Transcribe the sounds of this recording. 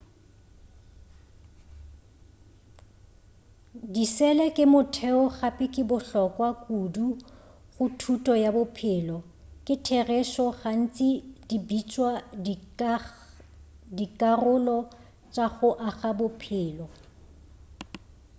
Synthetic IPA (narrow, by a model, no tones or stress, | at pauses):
disɛlɛkʼɪmʊtʰɛɔɣapʼɪkʼɪbʊɬɔkʼwakʼudu | ɣʊtʰutʼɔjabʊpʰɪlɔ | kʼɪtʰɛrɛʃɔɣan̩t͡sʼɪdibit͡ʃʼwa | dikʼarʊlɔ | t͡ʃʼaɣʊʔaɣabʊpʰɪːlɔ